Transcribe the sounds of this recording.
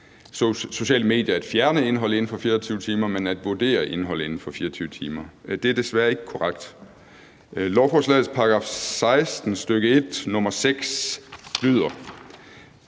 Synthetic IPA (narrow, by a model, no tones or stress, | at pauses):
so̝ɕɛ̰ːləme̝ːd̥ˠjɐæd̥fjæɐnəe̝nɦɒ̽l̰əe̝n̩fɒ̽fiːɐɒt͡sʰyʊət͡sʰiːmɐmenæd̥ʋuɐd̥e̝̰ːɐʔe̝nɦɒ̽l̰əe̝nn̩fɒ̽fiːɐɒt͡sʰyːʊət͡sʰiːmɐd̥e̝æɐd̥e̝sʋæːɐe̝ɡ̥əkʰɒʁaɡ̥̚d̥ | lɒʊfɒslɛ̰ːð̩ˠspʰɑ̈ɑɡ̥ʁɑ̰ːfsɑ̈ɪsd̥n̩sd̥øɡ̥əe̝d̥nɔ̽mɐseɡ̥slyð̞̰ˠɐ